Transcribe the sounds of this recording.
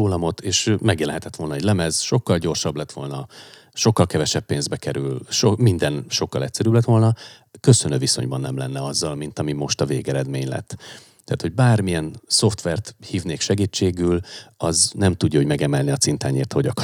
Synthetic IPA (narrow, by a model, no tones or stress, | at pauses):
oːlɒmo̞t̪ʰeːʃmɛɡjɛlɛɦɛt̪ɛt̪ʋo̞lnɛɟʲlɛmɛzʃo̞kːɒlɟo̞rʃɒblɛt̪ʋo̞lnɒ | ʃo̞kːɒlkɛvɛʃɛpːeːnzbɛkɛɾylʃomind̪ɛnʃo̞kːɒlɛcsɛɾyːblɛt̪ʋo̞lnɒ | kø̞sønøːviso̞̰ɲbɒnːɛmlɛnːɛɒzːɒlmint̪ɒmimo̞ʃt̪ɒveːɡɛɾɛd̪meːɲlɛ̰t̪ː | ɛːt̪ho̞ɟbaːrmijɛnso̞ft̪ʋɛrt̪hiːvneːkʃɛɡiːt͡ʃːeːɡylɒznɛmt̪uɟːɒɦo̞ɟmɛɡɛmɛlniɒt̪sint̪aːɲeːrt̪hoɟɒkɒ̥